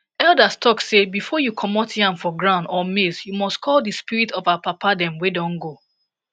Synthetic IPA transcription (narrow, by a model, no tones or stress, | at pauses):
ɛldastʰɔksːebifɔjukʰɔmɔtʰãmfɔɡɹãʊ̃ndɔmisjumɔstkʰɔldɨspiɹitɔvaapapadɛ̃mwedɔ̃ŋɡo